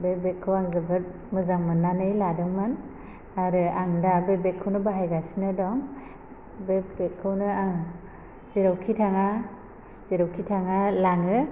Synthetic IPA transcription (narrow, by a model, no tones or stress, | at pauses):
bebet̚kʰɯwaŋzɯbɯt̚ | mɯzaŋmɯnːanɯjladɯŋmɯn | aɾɯaŋdabebet̚kʰːɯwnɯbaɦajɡasinɯdɔŋ | bebet̚kʰɯwnɯaŋ | z̥iɾawkʰitʰaŋa | z̥iɾawkʰitʰaŋalaŋɯ